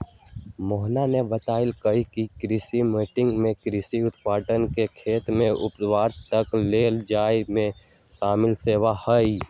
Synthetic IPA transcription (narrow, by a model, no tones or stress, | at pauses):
mɔːɦnanebət̪aːɪlkəikikɾɪsimiːʈɪ̃ŋɡmẽkɾɪsiʊt̪paːʈənkekʰeːt̪mẽʔʊpd̪waːɾt̪əkleːld͡ʒaːjmẽ | ʃaːmɪlseːʋahəi